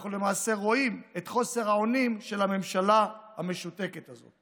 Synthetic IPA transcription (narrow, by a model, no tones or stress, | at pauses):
aχule̞maːse̞ʁo̞ime̞t̪χo̞se̞ʁhao̞nimʃe̞lame̞mʃalaha̰me̞ʃut̪e̞ke̞t̪azo̰t̪